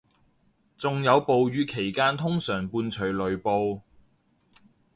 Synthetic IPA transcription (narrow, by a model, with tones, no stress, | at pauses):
t͡sʊ˨ŋjɐ˨˧wpo˨wjyː˨˧kʰe˨˩jkaː˥nt̪ʰʊ˥ŋsœː˨˩ŋpuː˧nt͡ʃʰɵ˨˩ɥlɵ˨˩ɥpo˧w